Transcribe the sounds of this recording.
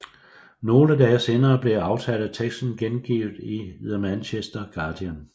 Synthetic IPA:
no̝ːləd̥ɛːse̝ːnɐːb̥le̝ɑ̈ʊt͡sʰæd̥t͡sʰeɡ̥sn̩ɡ̥enɡ̥ḭːʊð̩ˠiiðˠɐmænɕesd̥ɐɡ̥ɑ̈ːd̥iæn

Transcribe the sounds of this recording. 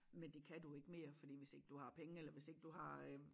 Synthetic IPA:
mend̥e̝kʰæd̥ue̝ɡ̥əme̝̰ːɐfɒ̽d̥ḭːʋe̝se̝ɡ̥əd̥uhɑ̈pʰeŋəelɐʋe̝se̝ɡ̥əd̥uhɑ̈

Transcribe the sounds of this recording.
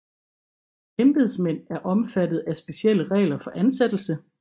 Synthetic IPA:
kʰemb̥eðˠsmen̰æɐʔɒ̽mfæd̥ð̩ˠæsb̥e̝sɕiel̰əʁɛ̰ːlɐfɒ̽ʔænsed̥l̩sə

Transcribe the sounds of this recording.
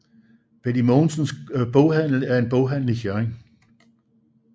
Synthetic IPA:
b̥ed̥imɒnsənsb̥ɔʊɦæn̰l̩æɐe̝nb̥ɔʊɦæn̰l̩ifjæeŋ

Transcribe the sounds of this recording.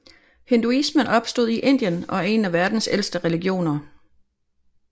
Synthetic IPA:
he̝nd̥uismənɒ̽b̥sd̥o̝ð̞̰ˠiʔe̝n̰d̥jənɒ̽e̝næʋæɐd̥n̩sel̰sd̥əʁɛliɡ̥jo̝̰ːnɐ

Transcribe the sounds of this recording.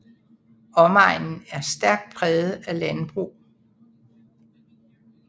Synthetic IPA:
ɒ̽mɑ̈ɪ̰nn̩æɐsd̥æɐɡ̥̚d̥̚pʰʁɛːð̩ˠælænb̥ʁṵː

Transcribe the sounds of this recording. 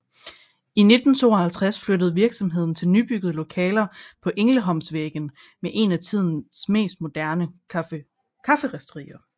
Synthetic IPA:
ine̝d̥n̩t͡sʰo̝̰ːɐhælt͡sʰʁasfløɾəð̞̩ˠʋiɐɡ̥sɒ̽mɦe̝ð̞̰ˠn̩t͡sʰe̝lnyb̥yɡ̥əð̞̩ˠlo̝kʰɛːlɐpʰɒ̽ʔe̝ŋləɦɒ̽msʋeɡ̥ən̩ | meʔe̝næt͡sʰið̰ˠn̩sme̝̰ːsd̥̚mo̝d̥æɐnə | kʰɑfəʁasd̥ʁḭːɐ

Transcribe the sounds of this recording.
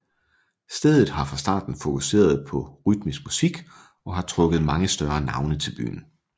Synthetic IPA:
sd̥eð̞ˠð̩ˠɦɑ̈fʁɑ̈sd̥ɑ̰̈ːd̥n̩fo̝kʰuse̝̰ːɐð̞̩ˠpʰɒ̽ʁyd̥misɡ̥̚musiɡ̥ | ɒ̽ɦɑ̈t͡sʰʁɔ̽ɡ̥ð̞̩ˠmɑ̈ŋəsd̥ɶɐnɑ̈ʊnət͡sʰe̝lb̥y̰ːn̩

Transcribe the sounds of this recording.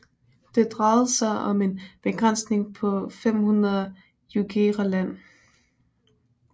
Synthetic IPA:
d̥e̝d̥ʁɑɪð̩ˠsɑ̈ɪʔɒ̽me̝nb̥e̝ɡ̥ʁan̰sne̝ŋpʰɒ̽fem̰hunɐðˠ | juɡ̥ʰe̝ʁɑlæn̰

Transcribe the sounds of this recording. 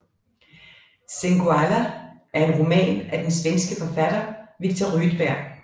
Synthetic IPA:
seŋɡ̥uælæʔæɐe̝nʁo̝mɛ̰ːnæd̥ensʋensɡ̥əfɒ̽fæd̥ɐʋiɡ̥̚t͡sʰoʁyd̥b̥æɐ̰ɡ̥

